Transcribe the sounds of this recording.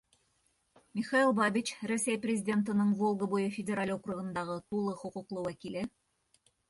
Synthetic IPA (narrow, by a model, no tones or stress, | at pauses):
mʲɪχɑilˠbabʲit͡ɕrɵsʲæjprʲɪzʲɪdʲe̞nt̪̬ɤ̆nɤɴvolˠɡəbujɤfʲɪdʲɪɾalʲokruɣɤ̆nd̪ɑʁɤt̪ulˠɤχŏqŭqlˠɤwækilɘ